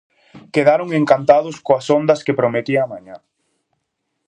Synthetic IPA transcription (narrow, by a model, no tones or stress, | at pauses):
keðaɾʊŋeŋkant̪aðʊskoɐsond̪ɐskepɾomet̪iɐaːmãɲa